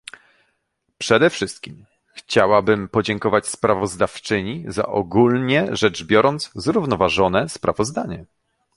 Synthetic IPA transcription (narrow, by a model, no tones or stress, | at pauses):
pʂɛd̪ɛfʂɘst̪̚kʲim | xt͡ɕawabɘmpɔd͡ʑɛŋkɔvat͡ɕspɾavɔzd̪aft͡ʂɘɲiza̰ʔɔɡulɲɛʐɛd͡ʐbʲjɔɾɔnt̪szɾuvnɔvaʐɔnɛspɾavɔzd̪aɲɛ